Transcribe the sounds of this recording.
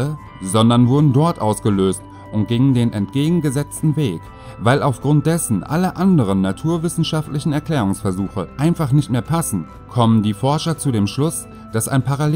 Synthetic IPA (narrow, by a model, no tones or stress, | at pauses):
ə | zɔndɐnvʊɐdn̩dɔɐtʔaʊsɡ̥əløːst | ʔʊnt̚ɡ̥ɪŋəndeːnʔɛntɡ̥eːɡŋ̩ɡəzɛt͡stn̩veːk | vaɪlaʊfɡ̥ʁʊnt̚d̥ɛsn̩ʔa̰ləʔandəʁ̞ənːatʰuːɐvɪsn̩ʃaftlɪçn̩ɛɐkl̥ɛːʁʊŋsfɛɐzuːxəʔaɪnfaχnɪçtmeːɐpʰasn̩ | kʰɔməndiːfɔɐʃɐt͡sudeːmʃlʊs | d̥asa̰ɪnpʰaʁal